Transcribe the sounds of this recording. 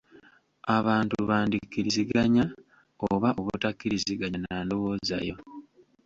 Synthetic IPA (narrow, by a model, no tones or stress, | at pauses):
aβaːntuβaːndikːiɾiziɡaɲa | oβaʔoβutakːiɾiziɡaɲanando̞woːza̰jo̞